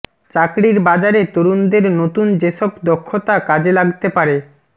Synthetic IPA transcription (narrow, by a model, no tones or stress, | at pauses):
t͡ɕakɾiɾbad͡ʑaɾet̪oɾund̪eɾnot̪und͡ʑeʃɔbd̪ɔkʰːot̪akad͡ʑelaɡt̪epaɾe